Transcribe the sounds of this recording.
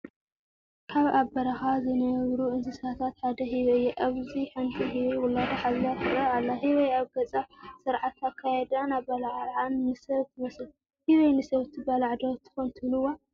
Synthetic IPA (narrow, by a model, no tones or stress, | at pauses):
kʰaβabɐɾaxazɨnɐβɾuɨnzɨsat̪ʰat̪ħad̪ɐɦiβɐjɛʔaβziħɨnt̪ʼiɦiβewʊlːad̪ɐħaβzat̪ːɨɾɐʕalːahiβɐjaβɡɐt͡sʼasɨɾʕat̪ːakʰːajɛd̪anabɐlʕʕannɨsɐβt̪ʰɨmɐsl | hiβɐjnɨsɐβt̪ʰɨbalaʕd̪ot̪ʰːɨ̥xont̪ʰɨβlɨwːo